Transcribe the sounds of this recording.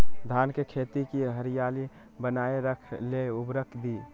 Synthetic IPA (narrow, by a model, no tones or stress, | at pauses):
d̪ʱankekʰet̪ikiɦəɾijali | bənaeɾəkʰleubɾəkʰd̪i